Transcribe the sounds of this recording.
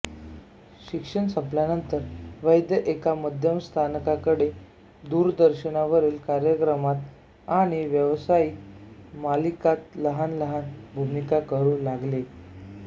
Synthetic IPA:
ɕikʂəɳsəpljanənt̪əɾʋəjd̪jəʔekaməd̪ʱjəmst̪ʰankakəɽe | d̪uːɾd̪əɾɕənaʋəɾiːlkaɾjəkɾəmat̪ | aɽ̃iʋjəʋsaiːkmalikat̪ləɦanləɦanbʱumikakəɾuːlaɡle

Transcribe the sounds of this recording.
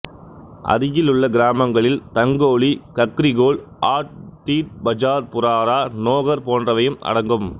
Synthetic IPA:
ʔɐ̰ɾɪjɪlɯɭːɐɡɪɾaːmɐŋɡɐɭɪlt̪ɐŋɡoːɭikɐkːɾɪɣoːɭʔaːʈ̚ʈ̪iːt̚bɐd͡ʒaːɾpʊɾaːɾaːnoːɣɐɾpoːndrɐʋɐjɯmʔɐ̰ɽɐŋɡɯm

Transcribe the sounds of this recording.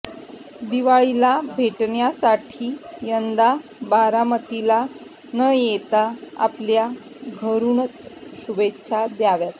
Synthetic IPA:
d̪iʋaɭilabʱeʈɳjasaʈʰiːjənd̪abaɾamət̪ila | nəjet̪aa̰plja | ɡʱəɾunət͡sɕubetːɕʰad̪jaʋjat̪

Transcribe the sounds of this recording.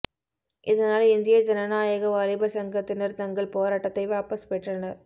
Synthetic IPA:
ʔɪðɐnaːlɪnd̪ɪjɐd͡ʒɐnɐnaːjɐɣɐʋaːɾɪbɐsɐŋɡɐt̪ːɪnɐɾt̪ɐŋɡɐɭpoːɾaːʈːɐt̪ːɐɪʋaːpɐspɛʈrɐnɐɾ

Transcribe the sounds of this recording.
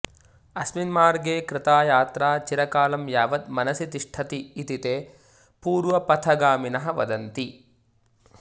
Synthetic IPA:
ɐsminmaːɾɡeːkɾɪt̪aːjaːt̪ɾaːt͡ʃiɾɐkaːlɐmjaːʋɐd̪mɐnɐsit̪iʂʈʰɐt̪iːt̪it̪eː | puːɾʋɐpɐt̪ʰɐɡaːminɐɦɐʋɐ̰d̪ɐnt̪i

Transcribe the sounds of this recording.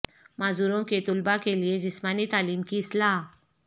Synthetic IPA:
mad͡zuɾõket̪ulbakelied͡ʑismanit̪aliːmkisla

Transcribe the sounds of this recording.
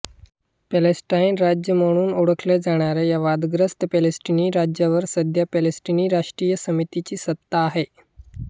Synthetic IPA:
pɛlesʈainɾad͡ʑjəməɽ̃uːnuɽəkʰlɛd͡zaɽ̃aɾɛjaʋad̪ɡɾəst̪əpɛlesʈiniːɾad͡ʑjaʋəɾsəd̪ʱjapɛlesʈiniːɾaʂʈɾijəsəmit̪it͡ɕiːsət̪ːaːɦe

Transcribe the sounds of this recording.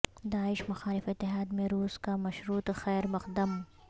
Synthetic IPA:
d̪aːɪʃmɐxaːlɪfɪt̪ːɪɦaːd̪mẽɾuːskamɐʃɾuːt̪xɛːɾmɐqd̪əm

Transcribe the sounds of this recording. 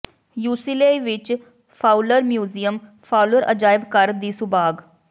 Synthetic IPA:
juːsileːʋɪt͡ʃ | pʰaːuləɾmjuːzijəm | pʰaːuləɾʔə̰d͡ʒaːɪbkəɾd̪iːsʊbaːɡ

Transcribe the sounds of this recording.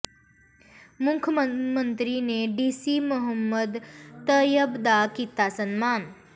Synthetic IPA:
mukkʰjəməmənt̪ɾineɖisimuɦəmːəd̪t̪əjəbd̪akit̪asənmaːn

